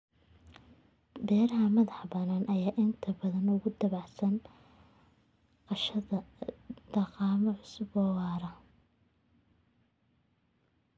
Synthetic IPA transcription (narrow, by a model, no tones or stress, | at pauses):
bɛːɾɐɦɐmɐðɑħbɐnaːnʔɐjaːʔɪnt̪ʰɐbɐðɐnʊɣʊd̪ɐβɑʕsɐn | qɑʃɐðɐd̪̥ɐɑqɑːmɐʕʊsʊbɔːwɑːɾɐ